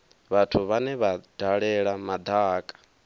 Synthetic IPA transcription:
βatʰuβanɛβad̥aɺɛɺamad̪aːkʼḁ

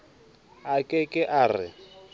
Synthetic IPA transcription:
akʼɛkʼɪʔaːrɪ̰

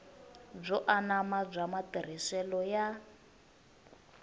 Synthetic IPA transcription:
b͡ʐɔʔanamab͡ʐʷamatiɾ̤isɛlɔja

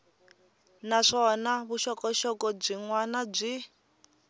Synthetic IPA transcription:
naʂɔnaβuʃɔkɔʃɔkɔb͡ʐʷiŋwanab͡ʐʷi

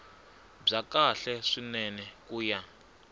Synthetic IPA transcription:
b͡ʐakaɬɛʂinɛnɛkʼuːja

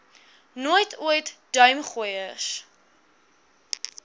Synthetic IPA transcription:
nuəjtʰuəjtd̥œɥmχujəs

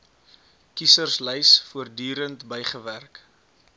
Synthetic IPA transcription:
kisərsləjsfuərdyːɾəntbəjχəværk

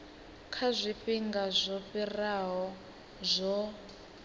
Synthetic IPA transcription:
kʰazʷiɸiŋɡazʷɔɸiraɦɔ | zʷɔ

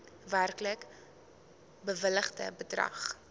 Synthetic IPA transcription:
værklək | bəvələχdə̰bədrɐ̰χ

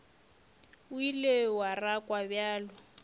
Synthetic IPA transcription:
uilewarakʼwabjaːlʊ

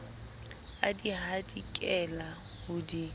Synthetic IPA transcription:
adiɦadikʼɛla | hʊdi

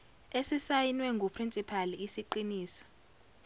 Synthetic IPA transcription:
esisajinwɛŋɡʱupʰrint͡sʼipʰaliːsiǃiniːsɔ̥

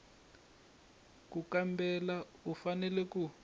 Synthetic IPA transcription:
kukambɛlaufanɛlɛku

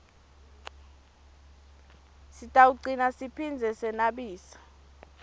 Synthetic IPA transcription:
sitʼauǀinasipʰind͡zʱɛsɛnaɓiːsḁ

